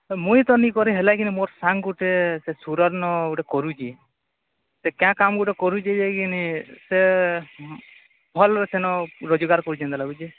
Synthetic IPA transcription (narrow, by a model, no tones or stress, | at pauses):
mũjt̪ɔnikɔɾiɦelakinimoɾsaŋɡuʈesesuɾɔɾnɔɡuʈekɔɾud͡ʒʰi | sekjãkamɡuʈekɔɾud͡ʒid͡ʒekinise | bʰʱɔlɾɔsenɔɾod͡ʒɔɡaɾkɔɾut͡ʃʰɛnt̪alaɡud͡ʒe